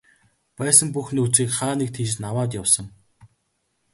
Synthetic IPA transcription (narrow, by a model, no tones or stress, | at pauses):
pæːsə̆ŋpuxniut͡siːkχaːnik̚t̪ʰit͡ɕnawaːt̪̬jawsə̆ŋ